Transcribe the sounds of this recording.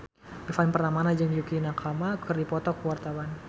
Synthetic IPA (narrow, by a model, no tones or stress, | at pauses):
ifanpərt̪amanad͡ʒəŋjukinakʰamakʰərdipɔt̪ɔkəwart̪awan